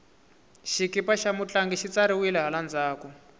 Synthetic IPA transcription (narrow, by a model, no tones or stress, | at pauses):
ʃikipaʃamut͡ɬaŋɡiʃit͡saɾiwilɛɦaland͡zaːkɔ